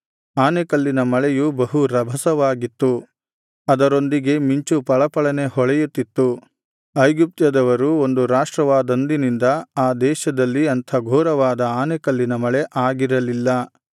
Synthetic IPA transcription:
aːnekɐlːinɐmɐɭɛjubɐɦuɾɐbʱɐsɐʋaːɡit̪ːu | ɐd̪ɐɾo̞nd̪iɡe̞miɲt͡ʃupɐɭɐpɐɭɐne̞ɦɔɭɛjut̪ːit̪ːu | ɐjɡup̚t̪jɐd̪ɐʋɐɾuo̞nd̪uɾaːʂʈɾɐʋaːd̪ɐnd̪inind̪ɐaːd̪ɛːʃɐd̪ɐlːiɐnt̪ʰɐɡʱɔːɾɐʋaːd̪ɐaːnekɐlːinɐmɐɭeʔaːɡiɾɐlilːɐ

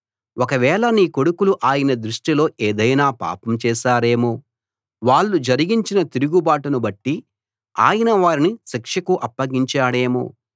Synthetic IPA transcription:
ɔkɐʋɛːɭɐniːko̞ɽukuluʔaːjɐnɐd̪ɾuʂʈilo̞ːʔeːd̪ɐjnaːpa̰ːpɐmt͡ʃɛːʃaːɾe̞ːmoː | ʋaːɭːud͡ʒɐɾiɡiɲt͡ʃinɐt̪iɾuɡubaːʈɐnubɐʈːi | a̰ːjɐnɐʋaːɾinisɐkʂɐkuʔɐpːɐɡiɲt͡ʃaːɽe̞ːmo̰ː

